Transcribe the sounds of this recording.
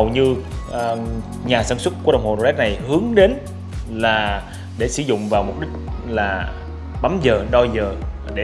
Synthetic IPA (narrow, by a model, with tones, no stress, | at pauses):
ə˨˩wɲɨ˧ʔ | ɲaː˨˩saː˧˩nswə˦˥t̚ku˧˩˦ɗə˨˩wŋ͡mho˨˩no˨˧˩ɛ˦˥t̚na˨˩jhɨ˨˦əŋɗe˨˦n | laː˨˩ | ɗe˧˩sɨ˧˩˦zʊ̰˧˨ŋ͡mvaː˨˩wmu˨˩p̚ɗï˦˥k̟̚laː˨˩ | ɓa˨˦mzəː˨˩ɗɔ˧zəː˨˩ | ɗe˧˩